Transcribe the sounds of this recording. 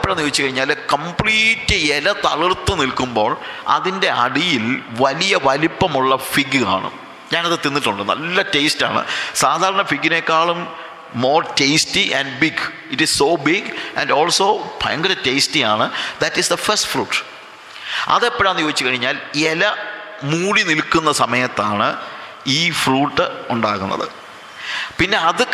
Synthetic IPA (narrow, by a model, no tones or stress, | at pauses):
pːoɽɐnːɨjoːit͡ɕːɨkɐɻiɲːaːlkɐmpɭiːtːɨelɐt̪ɐɭirt̪ːɨnilkumbo̞ːɭɐ̰ðinde̞ɐ̰ɽijilʋɐlijɐʋɐlipːɐmuɭːɐfiɡɨa̰ːɳɨ̰ | ɲaːnɐðɨt̪ːinːitːuɳɖɨnːɐ̰lːɐte̞jsta̰ːɳɨ̰saːd̪ʱaːɾɐɳɐfiɡːine̞kːaːɭumː | oːrtejstiʔɐ̃nɖbiɡ | itissoːbiɡæ̰̃nɖoːlso̞ːpʰɐ̰jɐŋɡɐɾɐtejstijaːɳɨd̪ɐtːisd̪ɐfɐstfruːʈː | ɐ̰ðepːoɻmnːɨjo̞ːit͡ɕːɨkɐɻiɲːaːlelɐ | muːɽinilkːunːɐsɐmɐjɐt̪ːaːɳɨ | iːfruːʈːɨuɳɖaːɣunːɐ̰ðɨ̰ | pinːe̞ɐðɨ